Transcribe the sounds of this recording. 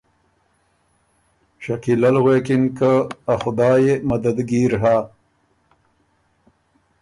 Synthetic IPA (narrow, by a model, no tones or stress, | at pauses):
ʃakilalɣekinkaaxʊd̪ɑːjemɐd̪ad̪ɡiːɾɦaː